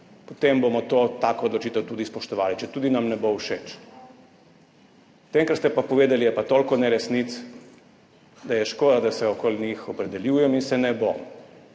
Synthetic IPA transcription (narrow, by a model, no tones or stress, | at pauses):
pɔt̪embomɔt̪ot̪akɔɔd̪lɔt͡ʃiːt̪ɛwt̪uːd̪ispɔʃt̪ɔʋaːlit͡ʃɛt̪uːd̪inamnɛbowʃet͡ʃ | t̪ɛŋkɾat̪st̪ɛpapɔʋeːd̪ɛlijɛpat̪oːlkɔnɛɾɛsnit̪s | d̪ajɛʃkoːd̪ad̪asɛɔkolnixɔpɾɛd̪ɛljuːjɛminsɛnɛbo̰